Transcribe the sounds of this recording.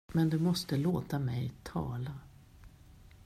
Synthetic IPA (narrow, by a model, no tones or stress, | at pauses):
mɛnd̪ɛmɔst̪əloːt̪amɛjt̪ʰɑ̰ːla